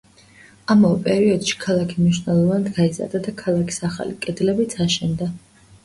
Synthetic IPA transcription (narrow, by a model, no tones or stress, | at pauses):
amavɛpʼɛɾiɔd̪̥ʃi̥kʰalˠakʰi̥mniʃnɛlˠɔvand̪ɡaiza̰ɾd̪ad̪akʰalˠakʰi̥saχa̰likʼɛd̪lɛbit̪sʰaʃɛnd̪a